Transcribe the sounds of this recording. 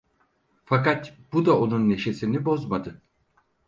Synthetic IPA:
fakat̪bud̪ao̞nunːe̞ʃe̞sinibo̞zmad̪ɯ

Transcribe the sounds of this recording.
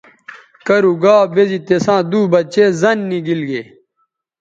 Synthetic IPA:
kɐɾuɡaːbezit̪esãːd̪uːbɐt͡ɕeːzɐnːiɡilɡeː

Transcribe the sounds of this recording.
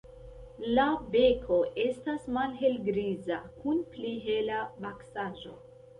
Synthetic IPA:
labe̞kʰo̞ʔe̞stasmalɦe̞lɡɾizakunpliɦe̞labaksaʒo̞̰

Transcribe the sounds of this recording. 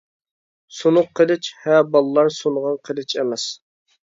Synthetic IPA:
sunʊqʰːəlˠɪt͡ʃhɛbɑlˠlːˠɑɾsunʁɑnqʰəlˠɪt͡ʃʰemɛs

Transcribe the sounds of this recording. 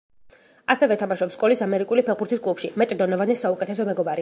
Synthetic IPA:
asɛvɛt̪ʰamaʃɔpskʼɔlisamɛɾikʼulipʰɛbuɾt̪ʰiskʼlˠupʃimɛt̪ʼd̪ɔnɔvanɛsaukʼɛt̪ʰɛsɔmɛɡɔbaɾi

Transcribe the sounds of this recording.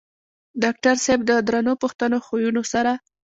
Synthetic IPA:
ɖɑk̚ʈaɾseb̚d̪əd̪ɾanopuxt̪ənoxojunosaɾa

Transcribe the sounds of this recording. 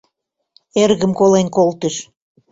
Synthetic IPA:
erɣəmkolenkolt̪əʃ

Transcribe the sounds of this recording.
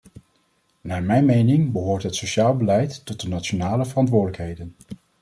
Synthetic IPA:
naːɹmɛjnmejnɪŋbəɦoːɹtɦətsoʃaːlˠbəlɛjtːɔt̚dənatt͡ʃonaːləvərɑntʋʊːɹdələkɦejdən

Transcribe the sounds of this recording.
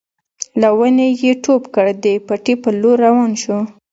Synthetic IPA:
lawənejeʈopkəɽd̪epaʈipəloɾːawɑnʃu

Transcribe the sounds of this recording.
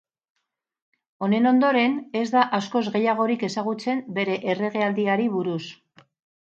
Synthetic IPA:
o̞ne̞no̞nd̪o̞ɾe̞ne̞zd̪aʔasko̞zɣe̞jaɣ̞o̞ɾike̞saɣ̞ut͡se̞mbe̞ɾe̞ʔere̞ɣ̞e̞ald̪iaɾiβuɾus

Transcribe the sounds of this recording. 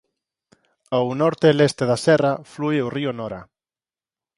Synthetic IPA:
awnɔɾt̪elest̪eðasɛraflueoriʊnɔɾa

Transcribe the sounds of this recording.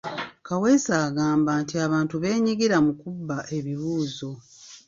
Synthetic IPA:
kawe̞saːɡaːmbaːntiaβaːntuβe̞ːɲiɡiɾamukubːaʔe̞βiβuːzo̞

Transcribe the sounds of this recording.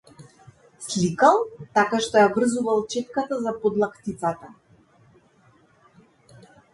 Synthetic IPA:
slikalˠt̪akaʃt̪ɔjavr̩zuvalˠt͡ʃɛt̪̚kat̪azapɔd̪lˠakt̪it̪sat̪a

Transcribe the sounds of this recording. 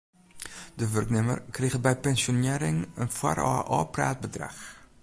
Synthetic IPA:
dəʋɵrknɪmə̰rkreɣəbɛjpɛnsoneːɾɪŋənfwa̰rɑ̰ʔɑ̰ːpra̰ːt̚bədra̰χ

